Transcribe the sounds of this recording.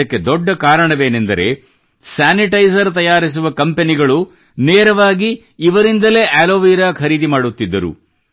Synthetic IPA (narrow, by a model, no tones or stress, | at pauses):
ɐkːe̞d̪ɔɖːɐkaːɾɐɳɐʋe̞ːnend̪ɐɾe̞̰ | saːniʈɐjsɐɾt̪ɐjaːɾis̬uʋɐkɐmpe̞niɡɐɭu | neːɾɐʋaːɡiː | ʋɐɾind̪ɐle̞ːʔaːlo̞ːʋiːɾaːkʰɐɾiːd̪imaːɽut̪ːid̪ːɐɾṵ